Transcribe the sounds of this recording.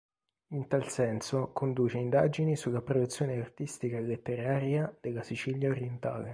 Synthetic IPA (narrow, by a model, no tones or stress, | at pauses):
int̪alsɛnsokond̪uːt͡ʃeind̪aːd͡ʒinisulːapɾod̪ut̪sːjoːneart̪ist̪ikaelet̪ːeɾaːɾjad̪̥elːasit͡ʃiljaoɾjent̪a̰ːle